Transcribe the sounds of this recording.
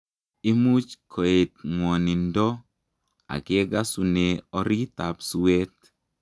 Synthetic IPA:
i˦mu˦t͡ʃkʰo˨e˨t̪̚ŋwɔ˨ni˨ndɔ˦ | a̰˨ke˦ɡa˦su˨ne˨ɔ˨ɾi˦ta˨psu˨we˦t̪

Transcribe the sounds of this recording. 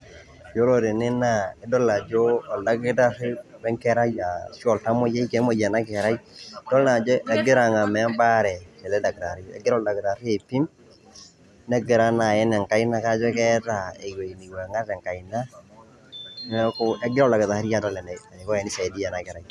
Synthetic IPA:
d͡ʒo˦lo˨ɾe˨nɪ˦na˦˨e˨˦dɔ˦la˨d͡ʒo˦ɔ˨la˦ɡɪ˦ta˦ɾɪ˦wɛ˦ŋkɛ˦ɾa˦ja˨ʃɔ˨lta˦mo˦jɛ˦i˦kɛ˨˦mo˨ja˨na˦kɛ˨ɾa˦i˦dɔ˦lna˨d͡ʒɔ˦ɛ˨ɡɪ˦ɾa˨ŋa˨mɛ˨˦mba˦ɾɛ˨kɛ˨ðɛ˦da˨ɡta˨ɾi˦ɛ̰˨ɡɪ˦ɾɔ˦˨da˨ɡɾa˨ɾi˦e˨pi˦m | nɛ˦ɡɪ˨ɾa˦na˨jɛ˦nɛ˨ŋka˦i˦na˦ka˦d͡ʒɔ˦kɛ˦ta˦˨e˨we˨i˨ni˨wɛ˨ŋa˦ɾɛ˨ŋka˨i˨na˦ | ko˦ɛ˦ɡɪ˦ɾɔ˦˨la˨kɪ˨ða˨˦ɾi˦ja˦da˦lɛ˨nɛ˨a˨e˨kɔ˦ɛ˨ni˦sa˨di˦ja˨na˨kɛ˨ɾa˨j

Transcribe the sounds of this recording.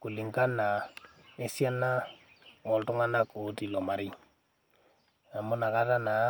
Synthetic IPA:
ku˨li˨ŋka˦na˨ | e˦si˦a˦na˦ | ɔ˨ltu˦ŋa˦na˦ko˨˦ti˨lɔ˨ma˨ɾi˦ŋ | a˨mʊ˦na˨ka˦ta˦na˨˦

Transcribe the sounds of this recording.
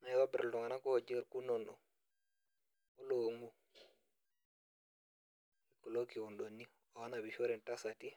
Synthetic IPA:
na˨ɛ˨wa˦bɛ˨ɾldɔ˨ŋa˨na˦ko˦ho˨d͡ʒi˦ɾku˦nɔ˨nɗɔ̰˨ | o˦loŋɡu˦ | iko˨lo˦ki˨wu˨nɗo˨nːi˦ | ɔ˨a˦na˨bi˨ʃo˦ɾɛ˨nta˦sa˨ti˦

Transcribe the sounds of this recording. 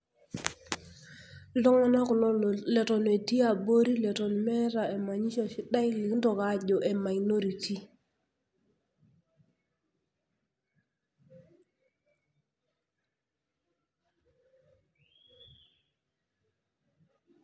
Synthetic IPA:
lɔ˦ŋa˦na˦kʊ˨lɔ˦lɛ˨tɔ˨ne˨ti˦a˦˨bo˦ɾi˦lɛ˨tɔ˨n˨mɛ˦ɾa˨e˨ma˨ɲi˦ʃɔ˨si˦ɗa˦jlɪ˨˦ndɔ˨ka˨˦ɟo˨ʔɛ˨ma˨jno˦ɾi˨ti˦

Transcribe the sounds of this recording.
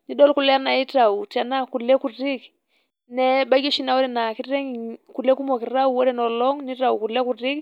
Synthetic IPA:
ni˦ɗɔ˦lku˨lɛ˦a˦na˨i˦ta˨u˨ta˨na˦ku˨lɛ˦ku˨ɾi˦k | nɛ˦ɓa˦ɡɔ˦ʃi˦na˦wɔ˦ɾɛ˨na˨ki˦ɾɛ˦ŋi˨ku˨lɛ˦ku˦mɔ˨ki˨ɾa˦u˨wɔ˦ɾɛ˦˨nɔ˨lɔ˦ŋni˦ta˨u˨ku˨lɛ˦ku˨ɾi˦k

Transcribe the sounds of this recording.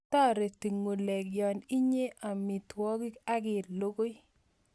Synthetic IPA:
ta˦ɾe˨ti˨ŋu˨le˨kjɔ˨ni˦ɲe˦ʔa˨mi˨twɔ˦ki˦ka˦ɡɪ˨lo˦ko˦j

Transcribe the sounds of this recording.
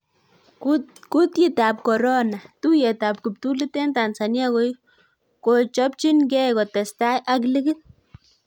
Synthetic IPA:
ku˦t̪ji˦t̪a˨p̚ko˨ɾo˦na˨t̪u˦je˨t̪a˨p̚ki˨p̚t̪u˦li˦t̪e˦nt̪a˨nsa˨nja˦ɣo˧j | ko˧˨t͡ʃɔ˦p̚t͡ʃi˦nɡe˦ɣo˨t̪e˨st̪a˦jʔa˧kli˦ɡi˦n

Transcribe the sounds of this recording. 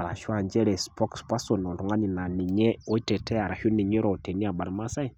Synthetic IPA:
a˨ɾa̰˨ʃu˦a˨ɲd͡ʒɛ˦ɾɛ˨spɔ˦kspa˦sɔ˨nɔ˨ɾu˨ŋɡa˦ni˨na˨ni˨ɲɛ˦ɔ˦i˦tɛ˨tʰɛ˦a˨ɾa˨ʃu˦ni˨ɲɛ˦ɾɔ˨te˨ni˦a˨ɓa˨ɾma˦sa˦i˨

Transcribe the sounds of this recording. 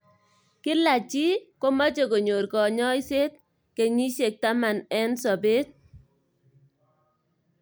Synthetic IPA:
kɪ˦la˨t͡ʃi˦ko˦ma˦t͡ʃe˨ko˨ɲo˨rkɔ˨ɲɔ˦i˦se˦t̚ | ke˨ɲi˦ʃe˨k̚ta˦ma˨nɛ˦nsɔ˨be˦t̚

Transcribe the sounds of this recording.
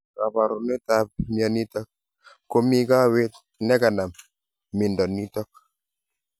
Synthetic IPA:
ka˨pa˨ɾu˨nɛ˦ta˦p̚mjɔ˨ni˦tɔ˦k̚ | ko˦mi˦ka˦we˦t̪ | nɛ˦ka˨na˨m | mi˨ndɔ˨ni˦tɔ˦k̚

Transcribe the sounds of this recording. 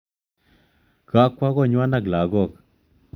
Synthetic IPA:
ka˦kʷa˦ɣɔ˦˨ɲwa˦na˦˨ɡla˨ɡɔ˦˨k

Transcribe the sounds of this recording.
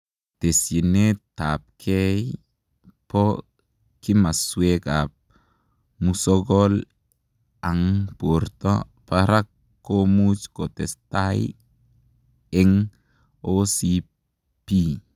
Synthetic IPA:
te˨si˨neta˨p̚kʰɛ˦j | pɔ | ki˦ma˨swe˦kap̚ | musɔɡɔl | a˨ŋpo˨ɾtɔ̰˦ | paɾa˦kː | omu˦t͡ʃko˨tɛ˨staj | ɛ˦ŋ | osi˦ | pi˦

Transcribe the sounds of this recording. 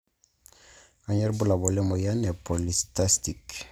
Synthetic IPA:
a˨ɲɛ˦ɾbu˦la˨bɔ˨lɛ˦mɔ˨ja˦nɛ˨po˨listast̪i˨k

